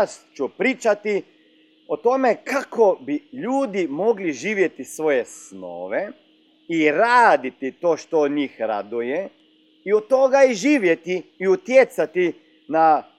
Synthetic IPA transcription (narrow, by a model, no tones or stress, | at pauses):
st͡ʃupɾiːt͡ʃat̪i | ot̪o̞mekakobiʎuːd̪imo̞ɡliʒiːʋje̞t̪isʋo̞jesno̰ːʋe | iɾaːd̪it̪it̪o̞ːʃt̪oːd̪ɲiːxɾa̰d̪uje | iot̪o̞ɡaiʒiːʋje̞t̪iːut̪jet̪sat̪i | na